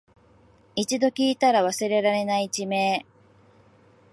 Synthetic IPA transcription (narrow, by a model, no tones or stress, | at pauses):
it͡ɕid̪o̞kʲiːt̪aɾaβasɨɾe̞ɾaɾe̞nait͡ɕime̞ː